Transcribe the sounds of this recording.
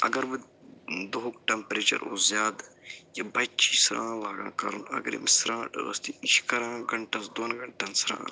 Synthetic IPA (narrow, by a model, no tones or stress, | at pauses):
ɐ̰ɡɐɾbɨ | d̪oɦk̚ʈɐmpɾeːt͡ʃɐ̰ɾo̰ːzjaːd̪jɐbɐt͡ʃʰisɾã̰ːlaːɡã̰ːkɐɾunɐ̰ɡɐɾḭmisɾãːʈʋɐ̰st̪iiʃkɐɾãːɡɐɳʈɐsd̪oːnɡɐɳʈɐnsɾã̰ː